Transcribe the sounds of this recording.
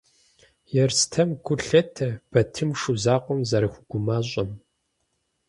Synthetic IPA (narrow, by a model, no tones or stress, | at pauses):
jɛrstʰɐmkʷʊɬɐtʰɐb̥ɐtʰɨmʂuzaːqʷɔmzɐɾɨxʷʊɡ̥ʷʊmaːɕʼɐm